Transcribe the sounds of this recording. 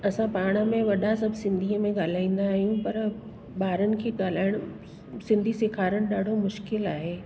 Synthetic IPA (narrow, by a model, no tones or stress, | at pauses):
ɐsãpaːɽ̃ə̆mẽʋɐɗasɐbʱsɪ̃nd̪ʱiːəmẽɠaːl̤aːĩːn̆d̪aːɦijũpɐɾ | ɓaːɾənɪ̆kʰeːɠaːl̤aːɪɽ̃ʊ | sɪ̃nd̪ʱisɪkʰaːɾəɽ̃ɗaːɖʱomʊʃkɪlaːɦeː